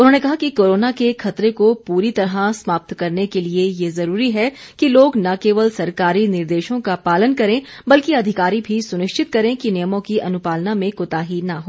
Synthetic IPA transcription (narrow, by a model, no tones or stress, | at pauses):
ʊnɦonekɐɦakikoːɾoːnakexʰɐt̪ɾekopuːɾit̪ɐɾɦasmaːp̚t̪kɐɾnekeliejezɐɾuːɾiɦɛ | kiloːɡnɐkeːʋəlsɐɾkaːɾinɪɾd̪eːʃõkapaːlənkɐɾẽːbɐlkiɐd̪ʱɪkaːɾibʱisʊnɪʃt͡ʃɪt̪kɐɾẽkinɪjəmõkiʔɐnʊpaːlnamẽkʊt̪aːɦinɐɦoː